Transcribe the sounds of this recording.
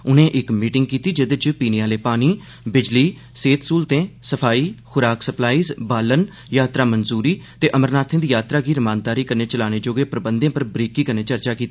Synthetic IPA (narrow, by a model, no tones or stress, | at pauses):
ʊnẽːʔɪkmiːʈɪŋɡ̚kiːt̪iːd͡ʒɪd̪t͡ʃpiːnjãːleːpaːniː | bɪd͡ʒliː | seːt̪suːlt̪ẽːsəpʰaːiːxʰʊɾaːksəplaːiːzbaːlən | jaːt̪ɾaːmənzuːɾiːt̪eːʔəməɾnaːt̪ʰɪ̃ːd̪iːjaːt̪ɾaːɡiːɾəmãːnd̪aːɾiːkəɾneːt͡ʃəlaːneːd͡ʒoːɡeːpɾəbənd̪jãːpəɾbɾiːkiːkəɾneːt͡ʃəɾt͡ʃaːkiːt̪ː